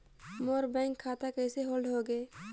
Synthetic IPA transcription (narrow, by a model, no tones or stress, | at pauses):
moːɾbɛ̃ːŋkʰːaːt̪akɛːseɦoːlɖɦoːɡeː